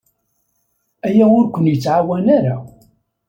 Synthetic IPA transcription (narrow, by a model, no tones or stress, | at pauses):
æjæʊɾkʷənjət͡sːʕawænaɾa